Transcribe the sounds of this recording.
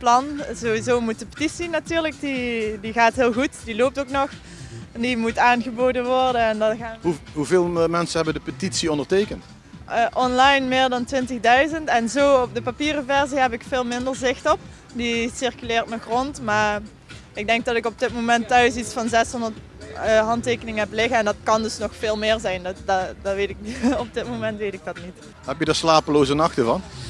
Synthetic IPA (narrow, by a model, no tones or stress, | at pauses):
plɑnzoʋizoːmut̚dəpə̥titsinatyːɹlək̚didiɣaːtɦɪːlˠɣutd̥iloːp̚toːknɔx | ndimutaːnɣəboːdənʋɔɹdənɛndɑɣaɦuɦuveːlˠmɛnsəɦɛbədəpətitsiɔndəɹtejkəntː | ʔɔnlɑjnmɪːɹdɑntʋɪntəɣdœɥzəntɛnzoːɔp̚dəpapiːrəvɛɹziɦɛpɪkfɪːlˠmɪndəɹzɪxtɔp̚ | disɪrkylɪːɹtməxrɔntmaː | ɪɡ̚dɛŋk̚dɑtɪkɔb̚dɪtmomɛntːœɥsitsfɑnzɛsɦɔndətː | ɦɑnteːkənɪŋəɦɛplɪɣəɛndɑtkɑndɵsnɔxfeːlˠmɪːɹzɛjndɑtʋeːtɪk̚ɔp̚dɪtmomɛntʋejtɪk̚dɑtnit | ɦɛpjədəːɹslaːpəloːzənɑxtəvɑn